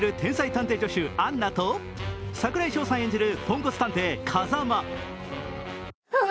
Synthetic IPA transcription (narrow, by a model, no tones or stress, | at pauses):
ɾɯ̟t̪ʰẽ̞ɰ̃sait̪ãnt̪e̞ːd͡ʑo̞ɕɨanːat̪o | sakɯ̟ɾaiɕo̞ːsãɰ̃e̞ɲ̟d͡ʑiɾɯ̟põ̞ŋko̞t͡sɨ̥t̪ãnt̪e̞ːkʰazama